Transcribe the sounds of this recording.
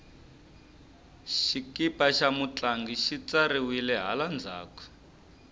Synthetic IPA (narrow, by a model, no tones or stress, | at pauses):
ʃikipaʃamut͡ɬaŋɡiʃit͡saɾiwilɛɦa̰land͡zʱa̰ːkwɛ̥